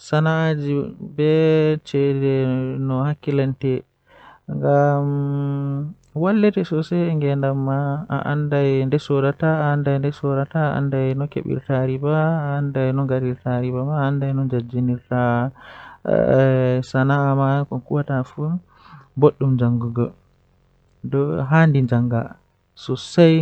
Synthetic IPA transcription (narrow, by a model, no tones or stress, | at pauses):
sanaːd͡ʒibɛt͡ʃɛdɛnɔhakːilantɛ | ŋɡam | walːɛtɛsɔsɛŋɡɛndamːaa̰ʔa̰ndajndɛsɔdataːndajndɛsɔɾataʔa̰ndajnɔkḛɓḭɾtaɾibaːndajnɔɡaɾiɾtaɾibamaːndajnɔnd͡ʒad͡ʒiniɾta̰ | sanaːmakɔkuwatafum | boɗːumd͡ʒaŋɡuɡɔ | dɔɦandiɲd͡ʒaŋɡa̰ | sɔsaj